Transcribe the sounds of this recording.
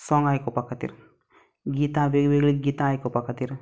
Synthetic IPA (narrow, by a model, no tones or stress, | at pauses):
sɔŋɡajkɔpakat̪ḭɾ | ɡit̪aʋeɡʋeɡlik̚ɡit̪aːjkopakat̪iɾ